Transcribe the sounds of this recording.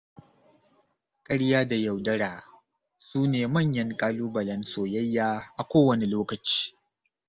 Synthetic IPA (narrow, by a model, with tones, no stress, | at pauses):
kʼɐ˦ɽjaː˦da˨ja˨wdɐ˦ɽaː˨ | suː˦neː˨mɐ˦˨ɲjɐ˦ŋkʼaː˦luː˦bɐ˨lɐ˦nsoː˨jɐ˦jːaː˦ʔa˨kʷoː˦wɐ˨ne˨loː˦kɐ˨t͡ʃi̥ː˦